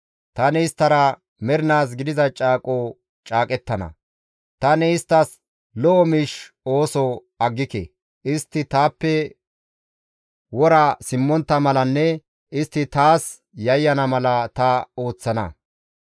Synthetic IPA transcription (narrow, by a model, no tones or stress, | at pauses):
t̪ɐnɛɪst̪ːɐɾɐ | mɛɾɪnaːs̬ɡɪd̪ɪzɐt͡ʃʼaːkʼoː | t͡ʃʼaːkʼɛt̪ːɐnɐ̰ | t̪ɐnɛɪst̪ːɐs | lɔʔɔmiːʃ | o̞ːsɔ | ɐɡːɪkɛ̰ | ʔɪst̪ːɪt̪aːpːɛ | wɔɾɐsɪmːɔnt̪ːɐmɐlɐnːɛ | ʔɪst̪ːɪt̪aːs | jɐjːɐnɐmɐlɐt̪ɐo̞ːt͡sːɐnɐ̰